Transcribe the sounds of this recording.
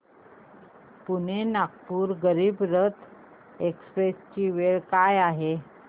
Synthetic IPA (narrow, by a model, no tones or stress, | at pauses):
pun̤enak̚puːɾɡəɾiːbɾət̪ʰ | ekspɾest͡ɕiːʋeɭkajaɦe